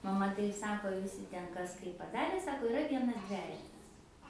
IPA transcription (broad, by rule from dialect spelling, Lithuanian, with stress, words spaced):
mɐˈmɐ ˈtɐɪp ˈsɑːkoː ʋʲɪˈsʲɪ ˈtʲɛn ˈkɐs ˈkɐɪp pɐˈdɑːrʲeː ˈsɑːkoː ɪˈrɐ ˈʋʲiɛnɐs ˈdʲʋʲæːjɛtɐs